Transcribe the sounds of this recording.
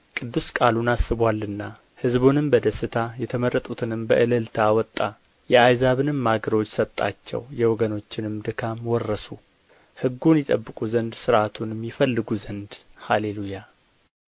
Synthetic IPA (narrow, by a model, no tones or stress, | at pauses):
kʼɨd̪ːuskʼalunasːɨβwalːɨnːa | hɨzbonɨmbəd̪əsːɨt̪ʰajɛt̪ʰəmərːət̪ʼut̪ʰɨnɨmbəʔɨləlt̪ʰawɔt̪ʼːa | jɛajzaβɨnɨmːaɡəɾo̞t͡ʃːsət̪ʼːa̰t͡ʃːɛ̰wjɛwɔɡəno̞t͡ʃːɪnɨmd̪ɨkʰamwɔrːəsu | hɨɡːunjɛt̪ʼəbːɨkʼuzənd̪sɨɾʔat̪ʰunjɛmːɪfəlːɨɡuzənd̪haleluja